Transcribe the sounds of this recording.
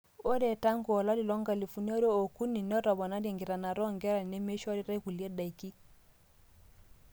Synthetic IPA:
o˦ɾɛ˨ta˦ŋku˨ɔ˨la˦li˨lɔ˦ŋɡa˨li˨fu˨n˦ɔ˦ɾo˦o˨ku˦ni˨nɔ˦ɾɔ˨βɔ˨na˦ɾe˨ŋɡɪ˨ɾa˨na˨ɾɔ˦ŋɡɛ˦ɾa˨i˨ne˦me˦ʃɔ˦ɾi˦ɾa˦i˦ku˨lje˦da˨i˨ki˦

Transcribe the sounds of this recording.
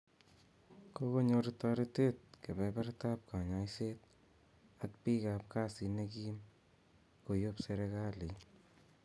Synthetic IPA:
koko˦ɲo˧ɾta˧ɾit̪et̪̚ke˨bɛ˧bɛ˦ɾt̪a˦p̚ka˨ɲajset̪ | ak̚pi˦ka˧p̚ka˦si˧nekim | ko˨jopseɾe˧ɣa˦li˨

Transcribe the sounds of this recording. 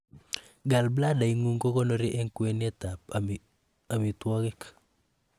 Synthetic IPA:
ɡa˨lbla˦da˨i˨ŋu˦ŋɡo˦kɔ˦nɔ˦ɾi˦ʔɛ˦ŋkwɛ˦nɛ˦t̪a˨p | a˨mi˨twɔ˦kɛ˦k

